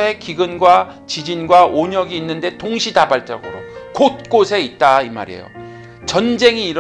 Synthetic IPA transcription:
ɦe̞kiɡɯnɡwa | t͡ɕid͡ʑinɡwaʔoɲʌɡiːnːɯnde̞toŋɕʰidabaɭt͡ɕ͈ʌ̰ɡɯɾo̰kot̚k͈osʰe̞it̚t͈aima̰ɾe̞̰jo̰ | t͡ɕʌnd͡ʑe̞ŋiːɾ

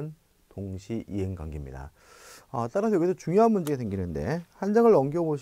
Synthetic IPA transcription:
n | toŋɕʰiʔiɦeŋɡwa̰ŋɡimɲḭda̰ | ʌt͈aɾasʰʌjʌɡisʰʌt͡ɕuŋjoɦanmund͡ʑeɡesʰe̞ŋɡinɯnde̞hand͡ʑaŋɯɾʌŋɡiʌboɕʰ

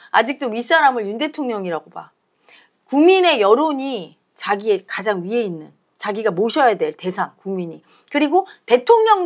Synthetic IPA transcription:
a̰d͡ʑik̚t͈oɥis͈aɾamɯɭjunde̞tʰoŋɲʌŋiɾaɡoba̰ | kuŋmine̞jʌɾoɲi | t͡ɕaɡie̞kad͡ʑaŋɥie̞inːɯn | t͡ɕaɡiɡamoɕʰʌjadwe̞ɭte̞sʰaŋkuŋmiɲi | kɯɾiɡote̞tʰoŋɲʌŋ

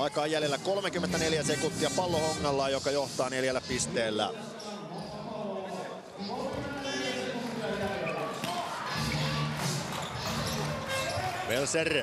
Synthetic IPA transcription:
ɑikɑːjjæljelːækolmekymːent̪æneljæsekunt̪ːiɑpɑlːohoŋːɑlːɑːjokɑjoht̪ɑːneljælːæpist̪eːlːæ̰ | ʋelser

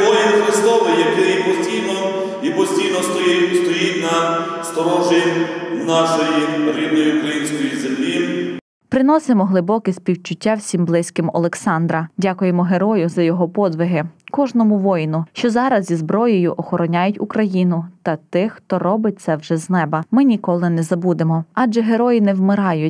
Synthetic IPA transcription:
ʋɔjinxɾɪst̪ɔʋ̪ɪjɐkɪipɔsʲtʲijnɔ | ipɔsʲtʲijnɔsst̪ɔjitʲnɐ | st̪ɔɾɔʒinɑʃɔjiɾʲid̪nɔjiʊkɾɐjinʲsʲkɔjizemlʲi | pɾɪnɔsemɔɦlˠɪbɔkɪsʲpʲiwt͡ʃʊtʲːawsʲimblˠɪsʲkɪmɔ̰lˠeksɑnd̪ɾɐdʲakʊjemɔɦe̞ɾɔjʊzɐjɔɦɔpɔd̪ʋɪɦɪkɔʒnɔmʊʋɔjnʊʃt͡ʃɔzɑɾɐzzʲizbɾɔjɔjʊʔɔxɔɾɔnʲajʊtʲukɾɐjinʊt̪ɐt̪ɪxt̪ɔɾɔbɪt̚ʲt̪sɛwʒɛznɛbɐmɪnʲikɔlˠɪnɛzɐbud̪emɔɑd͡ʒɛɦe̞ɾɔjinɛwmɪɾɑjʊtʲ

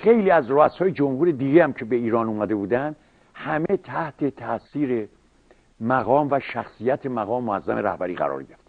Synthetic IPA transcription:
xejliːæzroæshɒːjed͡ʒomhuːɾe̞d̪iɟehæmcʰe̞be̞iːɾɒːnuːmæd̪e̞buːd̪ænd̪ | hæme̞t̪ʰæht̪ʰet̪ʰæsiːɾe | mæɣɒːmvæʃæxsijæt̪ʰe̞mæɣɒːmemoæzːæmeɾæ̰hbæɾiːɣæ̰ɾɒ̰ːɾɟeɾeft̪

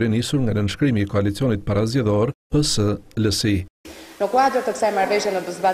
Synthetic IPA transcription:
ɾinisuɾŋɡanənʃkɾimiːkɔalit͡siɔnit̪̚paɾazɟɛðɔɾpəsələsinəkwad̪əɾt̪əksajmaɾvɛʒjanəd̪əzba

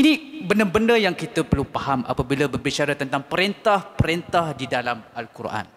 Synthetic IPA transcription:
inĩbəndərbəndəjaŋkit̪əpərlupahamʔa̰pabiləbərbit͡ʃaɾat̪ənt̪aŋpəɾint̪ahpəɾint̪ahdidalamalkuɾa̰n

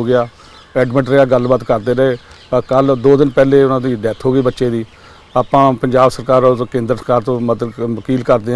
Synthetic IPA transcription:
oːɡɪaː | ɛːɖməɳʈɾəaːɡəlbaːt̪kəɾd̪eːɾəeːkəld̪oːd̪ɪnpɛːleːʊnãːd̪iːɖɛːt̪ʰɦoːɡiːbətːʃeːd̪iː | aːpãːpəɲd͡ʒaːbsəɾkaːɾɔkẽːnd̪əɾəsəkaːɾt̪õːməd̪əd̪ʋəkiːlkəɾd̪eː

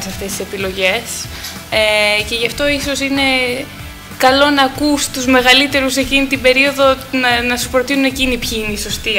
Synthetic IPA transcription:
sɐft̪e̞st̪ise̞pilo̞ʝe̞s | ece̞ʝɐft̪o̞iso̞sine̞ | kɐlo̞nɐːkust̪uzme̞ɣɐlit̪e̞ɾuse̞cinit̪ibe̞ɾio̞ðo̞nɐnɐsupɾo̞t̪inune̞cinipçiineso̞st̪i

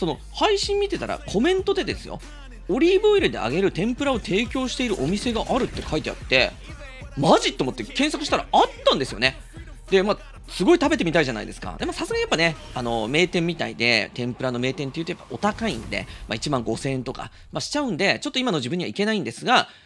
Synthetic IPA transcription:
so̞no̞ | haiɕĩmːʲit̪e̞t̪aɾa̰kʰo̞mẽ̞nt̪o̞d̪e̞d̪e̞sɨjo̞̰ | oɾʲiːbɯiɾɯ̟d̪e̞̰a̰ɡe̞ɾɯ̟t̪ẽ̞mpɯ̟ɾao̞t̪ʰe̞ːkʲo̞ːɕi̥t̪e̞iɾɯ̟ʔo̞mʲise̞ɡaʔaɾɯ̟t̪ːe̞kʰait̪e̞a̰t̪ːe̞ | maʑit̪ːomot̪ːekẽ̞ɰ̃sakɯ̟ɕit̪aɾaat̪ːãnd̪esɨjo̞ne̞ | d̪̥e̞ma | sɨɡo̞it̪abe̞t̪̬e̞mʲit̪aiʑana̰ḭd̪e̞sɨ̥ka̰d̪e̞masasɨɡaɲjapːane̞ano̞me̞ːt̪ẽ̞mʲːit̪a̰ḭd̪e̞t̪ẽ̞mpɯɾano̞me̞ːt̪ẽnt̪e̞jɯ̟t̪ojapːao̞t̪akaḭ̃nd̪e̞̰ma̰it͡ɕimãŋɡo̞sẽ̞ːẽnt̪o̞ka̰ | maɕi̥t͡ɕaɯ̟̃nd̪e̞t͡ɕo̞t̪ːo̞imano̞ʑibɯ̟̃ɲ̟iβaike̞naĩnd̪e̞sɨɡa

